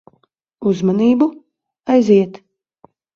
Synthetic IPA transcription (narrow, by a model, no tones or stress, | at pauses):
uzmaniːbu | ajziɛt̪